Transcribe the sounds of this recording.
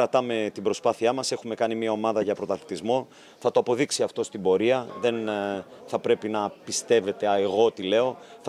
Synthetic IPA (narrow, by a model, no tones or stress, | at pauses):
ɾɐt̪ɐme̞t̪ibɾo̞spɐθiɐmɐse̞xume̞kɐnimiɐo̞mɐðɐʝɐpɾo̞t̪ɐli̥t̪izmo̞ | θɐt̪o̞ɐpo̞ðiksiɐft̪o̞st̪ibo̞ɾiɐðe̞n | θɐpɾe̞pinɐpist̪e̞ve̞t̪e̞ɐeɣo̞t̪ile̞o̞θ